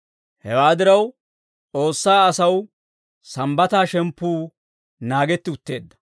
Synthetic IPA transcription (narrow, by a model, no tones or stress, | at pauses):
hɛwaːd̪ɪɾɐw | t͡sʼo̞ːsːaːɐsɐw | sɐmbɐt̪aːʃɛmpːuː | naːɡɛt̪ːɪʊt̪ːe̞ːd̪ːɐ̥